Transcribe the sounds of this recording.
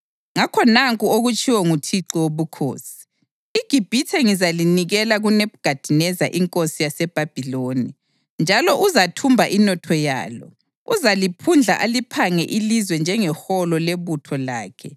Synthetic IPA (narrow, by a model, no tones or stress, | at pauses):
ŋakʰɔnaŋkʼuoɣut͡ʃʼiwɛŋutʰiǀiwoβukʰo̰ːsi̥ː | ɡ̥ʱib̥ʱitʰɛŋizaliniɣɛlaɣuneβɡ̥ʱad̥ʱinɛza̰ʔiŋkʼosijasɛb̥ʱab̥ʱiloni | nd͡ʒʱalɔʔuzatʰumbʱaʔinɔtʰɔja̰ːlɔ̰ | uzalipʰund͡ɮʱa̰ʔalipʰaŋɛʔilizwɛnd͡ʒʱɛŋɛxɔlɔleβutʰɔla̰ːkʰɛ